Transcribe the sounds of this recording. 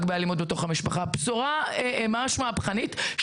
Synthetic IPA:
ɡbejalimud̪̚beto̞χhamiʃpaχapsoʁaemaʃmapχanitʃ

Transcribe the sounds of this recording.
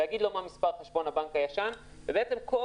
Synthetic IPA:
haɡid̪lomamispaʁχeʃbo̞nabaŋkhajaʃanvebeett͡semko

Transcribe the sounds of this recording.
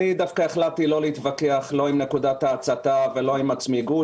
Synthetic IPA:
id̪afkaeχlat̪ilo̞leit̪vakeaχlo̞imne̞kud̪at̪aːt͡sat̪avelo̞imat͡smiɡu

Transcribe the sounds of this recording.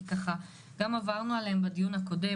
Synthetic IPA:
kaχa | ɡ̥amavaʁnualehembad̪ijunhako̞de̞

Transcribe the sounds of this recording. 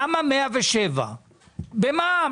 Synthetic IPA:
amamɛavɛʃɛva̰ | bɛma

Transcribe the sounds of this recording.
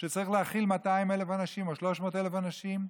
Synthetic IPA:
ʃet͡saʁiχleaχilmat̪aimelefanaʃimo̞ʃlo̞ʃmoːt̪ele̞fanaʃim

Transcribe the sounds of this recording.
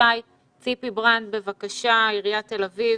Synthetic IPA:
aj | t͡sipibʁant̚be̞vakaʃaiʁijate̞lavi

